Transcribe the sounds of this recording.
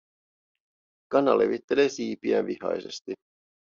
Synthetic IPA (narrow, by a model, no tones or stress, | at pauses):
kɑnːɑle̞̰ʋit̪ːe̞leːsiːpiænʋihɑ̰jse̞st̪i